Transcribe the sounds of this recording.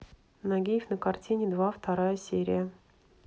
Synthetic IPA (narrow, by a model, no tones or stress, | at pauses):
nɐɡʲejɪfnəkɐrtʲinʲɪd̪vaft̪ɐɾajəsʲeɾʲɪ̰jə